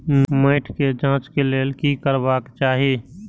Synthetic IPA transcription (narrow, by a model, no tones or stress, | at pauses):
mẽːʈʰked͡ʒãːt͡ʃkeleːlkikəɾbaːkt͡ʃaːɦieː